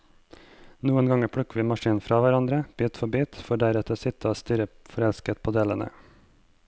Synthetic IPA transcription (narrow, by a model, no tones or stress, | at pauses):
nuːənɡɑŋəpʰɽʉkʋiːmɑʃiːnnfɾɑːʋæɾɑnd̪ɾəb̥iːt̪fɔbiːt̪fɔɖæɾɛt̪əsɪt̪ʰəoːst̪yɾəfɔɾɛlskət̪̚pʰoːd̪eːlə̰nə̰